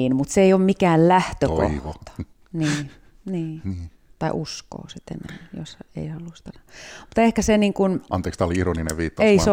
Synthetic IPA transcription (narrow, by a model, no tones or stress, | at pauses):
inmut̪seioːmmikæːllæht̪øko̰ihot̪ɑ̥ | niː | niː | t̪ɑiʔusko̰ːsit̪ḛnḛmjo̰sḛihɑlust̪ɑnɑmut̪ehkæseniːŋkunɑnt̪eːkst̪ɑoliironinḛʋiːt̪ːɑeis